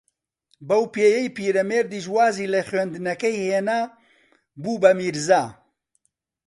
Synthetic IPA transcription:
bɐwpeːjɐjpiːɾɐmeːɾd̪iːʃwaːziːlɐχɥend̪ɨnɐkɐjheːnaː | buːbɐmiːɾzaː

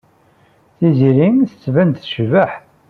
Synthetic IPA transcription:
θiziɾinθət͡sːvænt̪θʃvəħ

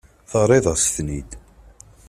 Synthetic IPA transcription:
θɑɾˤeðˤəsθnid̪

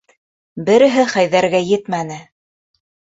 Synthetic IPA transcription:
bɘ̆ɾɘ̆ɦɘχæjðæɾɡæjɘt̪mænɘ

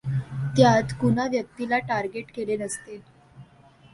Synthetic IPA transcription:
t̪jat̪kunaʋjək̚t̪ilaʈaɾɡeʈkelenəst̪el

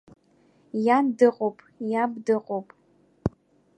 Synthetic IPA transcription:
jandɨqʼopʰʼjabdɨqʼopʼ

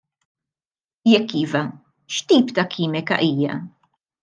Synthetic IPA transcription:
jɛkːiːvɐ | ʃt̪iːpt̪ɐkʰiːmɪkɐ̰ʔiːjɐ̰

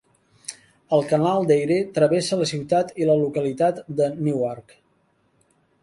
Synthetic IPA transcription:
əlˠkənalˠd̪ejɾet̪ɾəβesələsiwt̪at̪iləlukəlit̪at̪d̪əniwɔrk

